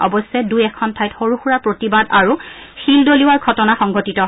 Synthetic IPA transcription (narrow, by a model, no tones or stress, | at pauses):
ɔ̰bɔsɛdujɛkʰɔntʰajtxoɹuxuɹaɹpɹotibadaɹu | xildoliwaɹɡʰʱɔtɔnaxɔŋɡʱotitɔ